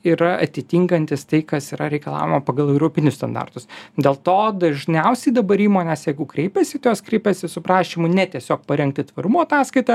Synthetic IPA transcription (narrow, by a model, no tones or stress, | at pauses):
iɾɐɐt̪ʲɪt̪ʲiːŋkɐnʲt̪ʲɪst̪ɐɪkɐsiːɾɐɾʲɛɪkɐlˠɑ̰ːʋʲɪmɐpɐɡɐlˠɛʊɾoːpʲɪnʲʊsst̪ɐ̰nd̪ɑ̰rt̪ʊsd̪ʲeːlˠt̪oːd̪ɐʒʲnʲɛʊsʲɛɪd̪ɐbɐɾiːmoːnʲɛsjɛɪɡʊkɾʲɛɪpʲɛsʲɪt̪ɪjoːskɾʲɛɪpʲɛsʲɪsʊpɾɑːʃʲimʊnʲɛt̪ʲiɛsʲoːk̚pɐɾʲɛŋk̚t̪ʲɪt̪ʋɐɾʊmoːɐt̪ɑːskɐɪt̪ɐ